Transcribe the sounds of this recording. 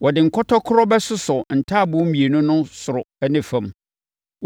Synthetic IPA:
wɔ˨dɪ˨ŋ̩˨kʰɔ˦tʰɔ˦kʰʊ˦ɾɔ˦bɛ˦sʊ˦sʊ˨n̩˨tʰaː˦˨bʊ̃˦m̩˦ĩ˨e˨nʊ̃˦nʊ̃˦sʊ˨ɾʊ˨æ˦nɪ̃˦fã˨m

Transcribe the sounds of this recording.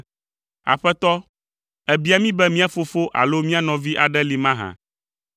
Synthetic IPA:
a̰˨ɸɛ˦t̪ɔ˦ | ɛ˨bi˦a˨˦mĩ˦bɛ˦mĩ˦a˦fo˦fo˦ʔa̰˨lo˦mĩ˦a˦nɔ̃˨vi˦ʔa˨ɖɛ˦li˨mã˦ɦã̰˨

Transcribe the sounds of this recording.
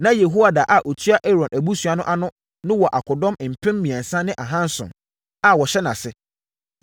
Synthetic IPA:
nã˦je˨ɦo˦wa˨daː˨ʔa˦ʔo˨tʰɥa˦ʔɛ˦ɾɔ̃˨næ˨bu˦su˨a˨nʊ̃˦ʔa˦nʊ̃˦ | nʊ̃˦wɔ˨ʔa˨kʰʊ˨dɔ̃˦mɪ˨m̩˨pʰɪ̃˦mːĩ˨ã˨n̩˨sã˦nɪ̃˦ʔa˨ɦã˦n˦sʊ̰̃˨n | a˨wɔ˨ɕɛ˦nã̰˨sɪ˦

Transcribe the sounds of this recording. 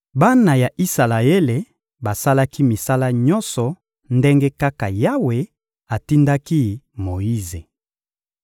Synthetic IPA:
ba˦na˨ja˨ʔi˦sa˨la˨e˦le˨ | ba˨sa˦la˦ki˦mi˨sa˦la˦ɲɔ˦nsɔ˨ | nde˦ŋɡe˦ka˦ka˨ja˦we˨ | a˨ti˦nda˦ki˦mo˨i˦ze˨

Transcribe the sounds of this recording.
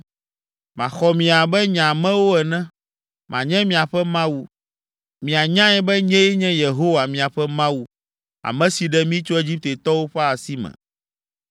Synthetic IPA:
mã˨xɔ˨mĩ˨a˨bɛ˦ɲã˨mɛ̃˦wo˦ɛ˨nɛ̃˦ | mʔã̰˨ɲɛ̃˦mĩ˨a˨ɸɛ˦mã˦wu˦ | mĩ˨a˨ɲã˦ɛ˦bɛ˦ɲɛ̃˦jɛ˦ɲɛ̃˦je˨ɦo˦wa˨mĩ˨a˨ɸɛ˦mã˦wu˦ | a̰˨mɛ̃˨si˨ɖɛ˦mĩ˦t͡ʃo˦e˦d͡ʑi˦p̚t̪e˨t̪ɔ˦wo˦ɸɛ˦a˨si˦mɛ̰̃˨

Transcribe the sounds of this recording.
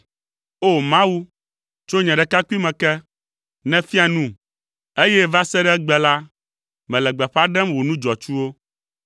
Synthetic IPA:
o˦˨mã˦wu˦ | t͡ʃo˦ɲɛ̃˨ɖɛ˨ka˦ki˦mɛ̃˨kɛ˦ | nɛ̃˦fi˦a˨nũ˦˨ | e˦jɛ˦va˦sɛ˦ɖɛ˦ɡ͡bɛ˨la˦ | mɛ̃˨lɛ˨ɡ͡bɛ˨ɸa˦ɖɛ˦mwo˨nũ˦d͡ʒɔ˨t͡ʃu˦wo˦

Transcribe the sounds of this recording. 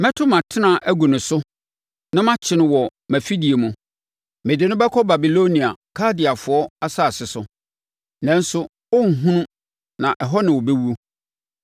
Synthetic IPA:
mɛ̃˦tʰʊ˦mã˨tʰɪ˦nã˨ʔæ˦ɡu˨nʊ̃˨sʊ˦ | nã˦mã˦t͡ɕʰɪ˨nɪ̃˨wɔ˨mæ˨fi˦di˨e˨mũ˦ | mɪ̃˨dɪ˨˦nʊ̃˦bɛ˦kʰɔ˦ba˨bi˨lo˦nĩ˨a˨kʰa˦dɪ˨a˨fʊ˨ɔ˦a˦sa˦˨sɪ˨sʊ˨ | nɛ̃˦n̩˦sʊ˦ | ɔ˦ŋ̩˨ɦũ˦nʊ̃˦ | nã˨ʔɛ˨ɦɔ˦nɪ̃˨wɔ˨be˦wu˦o˦

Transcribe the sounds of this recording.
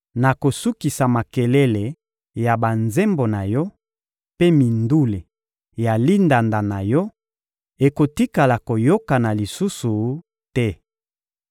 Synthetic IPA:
na˨ko˨su˦ki˨sa˨ma˨ke˨lɛ˦le˨ | ja˨ba˨nze˦mbo˨na˨jɔ˦ | pe˦mi˨ndu˦le˨ | ja˨li˦nda˨nda˨na˨jɔ˦ | e˨ko˨ti˦ka˨la˨ko˨jo˦ka˨na˨li˨su˦su˨ | tɛ˦

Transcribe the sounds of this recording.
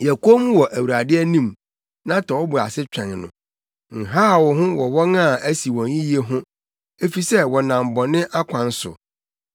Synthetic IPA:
jɛ˨ko˦mũ˦wɔ˨ʔæ˨wu˨ɾa˨dɪ˦ɛ˦nĩ˦˨m | nã˦tʰɔ˨wɔ˦bʊ˨a̰˨sɪ˦t͡ɕᶣɛ̃˨n˨nʊ̰̃˨ | ŋ̩˨ɦaː˦˨wɔ˨ɦʊ̃˦wɔ˨wɔ˦nã˦˨æ˦si˨wɔ̃˨n˦ĩ˦ji˦e˦ɦʊ̃˦ | e˦fi˨sɛ˦wɔ˨nã˨m˨bɔ˨nɪ̃˦ʔa˦kʷʰã˨n˦sʊ̰˨

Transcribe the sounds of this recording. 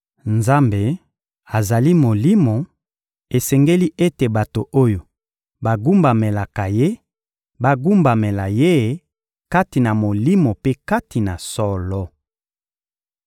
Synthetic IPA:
nza˦mbe˨ | a˨za˨li˦mo˨li˦mo˨ | e˨sɛ˨ŋɡe˦li˦ʔe˦te˨ba˨to˨ʔo˦jo˨ | ba˨ɡu˦mba˨me˨la˨ka˨je˦ | ba˦ɡu˦mba˨me˨la˨je˦˨ | ka˦ti˨na˨mo˨li˦mo˨pe˦ka˦ti˨na˨sɔ˦lɔ˦

